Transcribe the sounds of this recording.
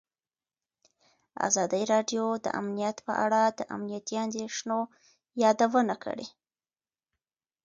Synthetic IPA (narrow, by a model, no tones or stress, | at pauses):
a̰zɑd̪əjɾɑɖjod̪ə̰ʔa̰mnijat̪pəʔaɽad̪əʔa̰mnijat̪iand̪eʂno | jɑd̪awənakʰə̰ɽḛ